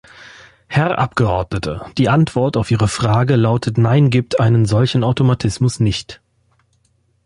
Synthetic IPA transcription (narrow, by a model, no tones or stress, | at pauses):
hɛʁʔa̰pɡ̥əʔɔɐdnətʰə̰d̥iːʔantv̥ɔɐtaʊfʔiːʁəfʁ̥aːɡəlaʊtʰətnaɪnɡiːp̚tʰʔaɪnənzɔlçn̩aʊtomatʰɪsmʊsnɪçt